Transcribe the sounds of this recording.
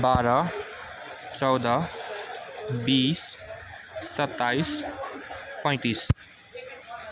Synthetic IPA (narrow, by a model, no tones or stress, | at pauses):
baːɾʌ | t͡sʌwd̪ʌ | biːsː | ʌt̪ːais | pʌj̃t̪iːs